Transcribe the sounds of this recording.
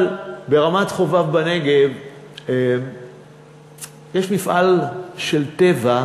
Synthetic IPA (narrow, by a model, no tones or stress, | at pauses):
lbe̞ʁamatχo̞vavbaneɡev | jeʃmifʔalʃe̞lt̪e̞va